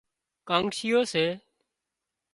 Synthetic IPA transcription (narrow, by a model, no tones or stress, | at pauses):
kãːŋɡʃiːjoːseː